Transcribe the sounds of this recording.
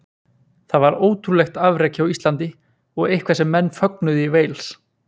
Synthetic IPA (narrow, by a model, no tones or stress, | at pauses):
θaðvaɾoːwt̪ʰɾulɛxt̪avɾeːcɪawist̪lant̪ɪ | ɔɣejhkʰvasɛmːɛnːfœknʏðɪiveːjls